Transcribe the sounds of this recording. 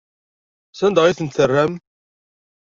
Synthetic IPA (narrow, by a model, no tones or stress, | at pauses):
sænd̪əʁiθənt̪θərːæm